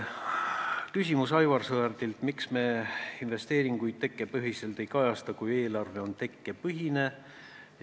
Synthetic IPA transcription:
kysʲimusɑjvɑrsoærd̪̥ilt̪miksme̞ːinve̞st̪e̞ːɾiŋɡ̥ujd̪̥̚t̪e̞kːˑepɤɦise̞lt̪e̞jkɑjɑst̪ɑkuje̞ːlɑrve̞o̞nt̪e̞kːe̞pɯɦine̞

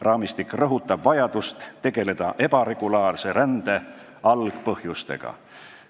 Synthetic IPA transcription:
rɑːmist̪ikˑrɤɦut̪ːˑɑbvɑjɑd̪̥ust̪t̪ːe̞ɡ̥e̞le̞d̪̥ɑʔe̞bɑɾe̞ɡ̥ulɑːrse̞ɾænd̪̥e̞ | ɑlɡ̥pɤhjust̪e̞̰ɡ̥ɑ̰

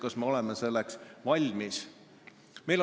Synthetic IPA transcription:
kɑsmeo̞lemese̞lːeksvɑlʲmis | me̞jl

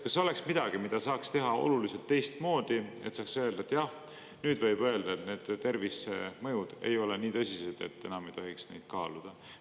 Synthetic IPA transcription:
kɑso̞le̞ksmid̪̥ɑɡ̥imid̪̥ɑsɑːkst̪e̞ɦɑo̞̰lulise̞lt̪ːe̞jst̪mo̞ːd̪̥ie̞t̪sɑːksø̞ld̪ɑet̪jɑh | nyːd̪vɤjb̥ø̞eld̪ɑet̪neːd̪̥t̪ːe̞rvisemɤjud̪̥e̞̰jo̞le̞niːt̪ɤsʲised̪̥e̞̰t̪ːe̞nɑmejt̪o̞ɦiksnejd̪̥̚kɑːlud̪̥ɑ

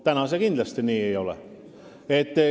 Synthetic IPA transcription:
t̪ænɑsekind̪lɑst̪iniːejo̞lḛ | et̪ː

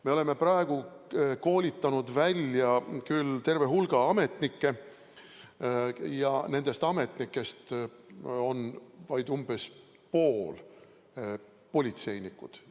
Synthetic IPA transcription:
me̞ole̞me̞prɑeɡ̥uko̞ːlʲit̪ˑːɑnud̪vælʲjɑkylt̪e̞rve̞ɦulɡ̥ɑɑme̞t̪nikːe̞ | jɑne̞nd̪̥e̞st̪ɑme̞t̪ˑnikːˑe̞st̪ | o̞nvɑjd̪umbe̞s | po̞ːl | po̞lʲit̪se̞jnikːˑṵd̪̥

